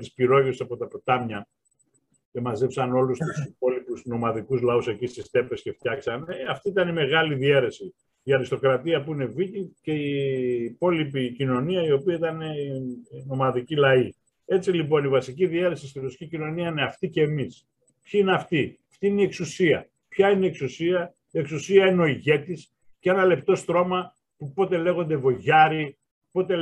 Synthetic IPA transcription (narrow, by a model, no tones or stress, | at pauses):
t̪ispiɾo̞ʝessɐpo̞t̪ɐpot̪ɐmɲɐ | ce̞mɐzepsɐno̞lust̪usipo̞lipusno̞mɐðikuzlɐuse̞cist̪ist̪e̞pe̞sce̞ft̪çɐksɐnɐft̪iit̪ɐnime̞ɣɐliðie̞ɾe̞si | iɐɾist̪o̞kɾɐt̪iɐpuine̞vicice̞iːpo̞lipicino̞niɐio̞piɐit̪ɐne̞ | no̞mɐðicilɐi | e̞t͡silipo̞nivɐsiciðie̞ɾe̞sist̪iɾosi̥cʲicino̞niɐine̞ɐft̪ice̞ːmis | pçiineɐft̪iɐft̪iineie̞ksusiɐ̰ | pçɐineie̞ksusiɐ | ie̞ksusiɐineo̞iʝe̞t̪is | cee̞nɐle̞p̚t̪o̞st̪ɾo̞mɐ | pupo̞t̪e̞le̞ɣo̞nd̪e̞vo̞ʝɐɾi | po̞t̪e̞